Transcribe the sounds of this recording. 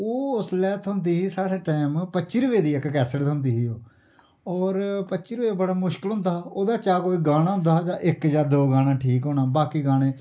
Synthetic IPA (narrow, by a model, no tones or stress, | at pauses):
oːʊslɛːt̪ɦʊnd̪iːiːsaːɽeːʈɛːmpətːʃiːɾʊʋeːd̪iːɪkkɛːsəʈt̪ɦʊnd̪iːɦiːoː | ɔːɾpəːʃiːɾʊʋeːbəɽaːmʊʃkɪlɦʊ̃nd̪aːoːd̪aːt͡ʃaːkoːiːɡaːnaːɦʊ̃nd̪aːd͡ʒãːʔɪkjaːd̪oːɡaːɽãːʈʰiːkɦõːnaːbaːkiːɡaːnẽː